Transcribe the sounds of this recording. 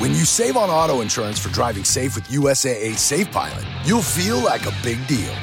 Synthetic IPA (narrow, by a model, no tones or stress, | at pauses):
wɨ̃njɨseɪvə̃nɔɾoʊɨ̃nʃʊ˞ɨ̃nz̥fə˞dɹaɪvɪ̃ŋseɪfwɨðjuɛseɪeɪseɪfbʰa̰ɪlˠə̰̃njulˠfilˠlaɪkəbɪɡ̚dḭlˠ